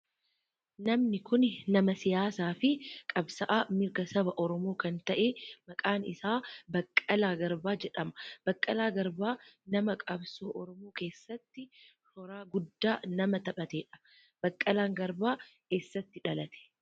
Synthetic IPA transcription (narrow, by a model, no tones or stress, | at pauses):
nɐmnɪkʊnnɐmɐsɪjaːsaːfɪkʼɐbsɐʔaːmɪɾɡɐsɐbɐʔɔɾɔmo̞ːkɐnt̪ɐʔemɐkʼaːnɪ̰saːbɐkʼːɐlaːɡɐɾbaːd͡ʒɛᶑɐmɐ̥b̥ɐkʼːɐlaːɡɐɾbaːnɐmɐkʼɐbsoːʔɔɾɔmoːke̞ːsːɐt̪ːɪ | hɔɾaːɡʊd̪ːaːnɐmɐt̪ɐɓɐt̪eːᶑɐ̥ | b̥ɐkʼːɐlaːŋɡɐɾbaːke̞ːsːɐt̪ːɪᶑɐlɐt̪ɛ̥